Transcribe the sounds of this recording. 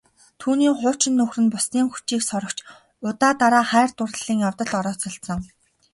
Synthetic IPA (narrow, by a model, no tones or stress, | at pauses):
t̪ʰuːniːχʊːt͡ɕɪ̆nːɵxrɘ̆npʊsniːŋxu̥t͡ɕiːksɔɾɞ̆kt͡ɕʰ | ʊt̪aːt̪aɾaːχæːrt̪ʊr̆ɮ̥iːŋjawt̪ɞ̆ɮɔɾɔːt͡sɞ̆ɬt̪sɞ̆ŋ